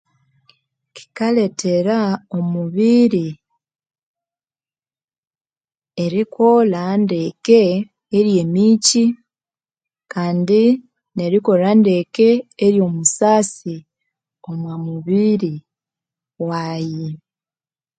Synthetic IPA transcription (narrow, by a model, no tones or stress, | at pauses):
ki̥kale̞tʰe̞ɾao̞muβiɾi | eɾikʰo̞lande̞ke̞ː | ɾje̞ːmiːci | kaːndi | ne̞ɾiko̞lande̞ke̞ːɾjo̞musaːsi | omwamuβiɾi | waːji